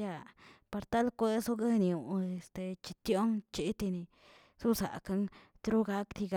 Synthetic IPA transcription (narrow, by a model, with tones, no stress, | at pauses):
ja˧pa˧ɾt̪a˦lkʷe˦su˦ɡe˦ni˧u˨e˧st̪e˨˧t͡ʃi˧t̪jo˦ŋt͡ʃi˦t̪i˧ni˧ | su˦sa̰˨ka˧ŋ | t̪ɾu˦ɡa˦kt̪i˧ɡ